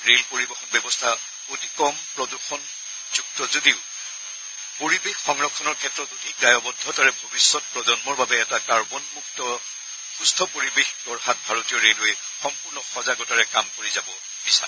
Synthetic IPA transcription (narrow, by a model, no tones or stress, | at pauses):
ɹelpoɹibɛxɔnbɛbɔstʰa | otikɔmpɹɔduxɔn | zuk̚tɔzodiʊ | poɹibexɔŋɹɔkʰːɔnɔɹkʰɛtɹɔtodʱik̚ɡajɔbɔdʱɔtaɹɛbʱobisːɔt̚pɹɔzɔnmɔɹbabɛːtakaɹbɔnmuk̚tɔ | xustʰɔpoɹibexdɔɹhat̚bʱaɹotijɔɹelɦojɛ | xɔmpuɹnɔxɔzaɡɔtaɹɛkamkoɹizabɔ | b̥isa̰